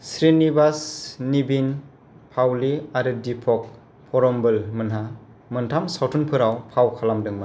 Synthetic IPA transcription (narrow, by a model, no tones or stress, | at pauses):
sɾinibasnibin | pʰawliaɾɯdipʰɔk̚ | pʰɔɾɔmbɯlmɯnɦa | mɯntʰamsawtʰunpʰɯɾawpʰawkʰalamdɯŋma